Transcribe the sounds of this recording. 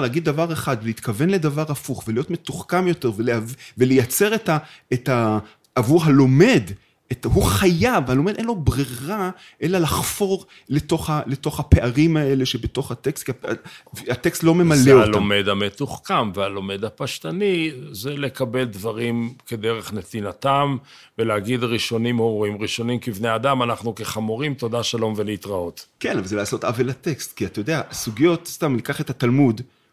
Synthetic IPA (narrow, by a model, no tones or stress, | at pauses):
laːɡid̪̚ːavaʁeχadvelit̪kave̞nle̞d̪avaʁafuχvelijo̞tme̞tuχkamjo̞te̞ʁveleavvelejat͡se̞ʁetaeta | ʔːvuʁɦalo̞me̞d | ethuχajavhalo̞me̞d̪enlo̞bʁiʁa | ʔe̞lalaχfo̞ʁ | leto̞χhaleto̞χhape̞ʔaʁimae̞le̞ʃe̞beto̞χhatekst̪kiavat̪e̞kstlo̞me̞maleoalome̞d̪amet̪uχkamvealo̞me̞d̪apaʃtanizele̞kabe̞ld̪vaʁimked̪eʁeχnetinat̪am | veleaɡid̪ʁiʃo̞nimoʁimʁiʃo̞nimkivneadamanaχnukeχamoʁimt̪o̞d̪aʃalo̞mveleit̪ʁao̞t̪ke̞navalzelaːso̞tavelate̞kst̪kiat̪ajod̪easuɡijo̞tst̪amlikaχet̪hatalmud